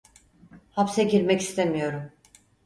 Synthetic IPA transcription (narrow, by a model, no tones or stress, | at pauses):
hapseɟiɾmɛci̥st̪ʰemijo̞ɾum